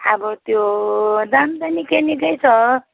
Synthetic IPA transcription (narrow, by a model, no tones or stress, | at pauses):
ʌbʌt̪jod̪amtanikenikʌjt͡sʰʌ